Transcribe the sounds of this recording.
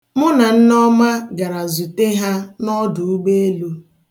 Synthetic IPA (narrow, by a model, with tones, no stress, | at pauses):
mʊ˦na˨n̩˦nɔ˦ma˦ɡa˨ɾa˨zu˨te˦ɦa˦nɔ˦dʊ˨u˦ɡ͡be˦e˦lu˦